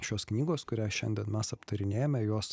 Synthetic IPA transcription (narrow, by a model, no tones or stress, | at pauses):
ʃʲoːsknʲiːɡoːskʊɾʲæːʃʲɛnʲd̪ʲiɛnmʲɛsɐpt̪ɐɾʲɪnʲeːjɛomʲɛjoɔs